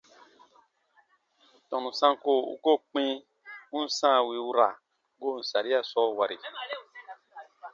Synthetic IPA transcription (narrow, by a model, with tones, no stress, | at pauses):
tɔ̃˨nũ˨sã˧˦ŋ˦ko˦˨ṵ˧˦ko˦˨k͡pĩ˦ | u˦n̩˦sã˦˨wi˨u˦ɾa˨ | ɡo˦˨n̩˨sa˨ɾi˦a˦˨sɔ˦˨wa˨ɾi˨